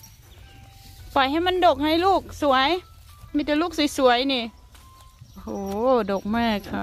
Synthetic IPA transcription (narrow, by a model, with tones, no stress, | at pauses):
pa˨˩˦jɦa˧˩˨jma˧˥˨ndoː˨˩k̚ha˧˩jluː˧˥˩k̚su˨˩˦əj | miː˧˥˩t̪ɛː˨˩luː˥˩k̚si˨˦su˨˩˦əjniː˧˩ | o˧hoː˨˩˦do˨˩k̚mɛː˧˩kʰa˧˩